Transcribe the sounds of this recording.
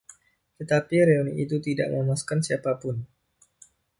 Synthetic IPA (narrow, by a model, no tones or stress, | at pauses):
t̪ət̪apiɾeonḭʔit̪ut̪ida̰ʔməmaskansiapapʊn